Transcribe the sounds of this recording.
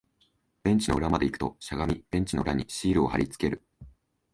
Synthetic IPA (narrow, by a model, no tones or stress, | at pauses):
b̥ẽ̞ɲ̟t͡ɕino̞ɯ̟ɾamad̪e̞ikɯ̟̥t̪o̞̰ɕaɡamʲib̥ẽ̞ɲ̟t͡ɕino̞ɯ̟ɾʔaɲ̟iɕiːɾɯ̟o̞ha̰ɾʲit͡sɨ̥ke̞ɾɯ̟